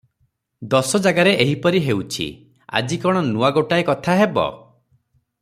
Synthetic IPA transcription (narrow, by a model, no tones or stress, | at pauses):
d̪ɔsɔd͡ʒaɡaɾeʔeɦipɔɾiɦewt͡ʃʰḭ | a̰d͡ʒikɔɽ̃ɔnuaɡoʈaekɔt̪ʰaɦebɔ̰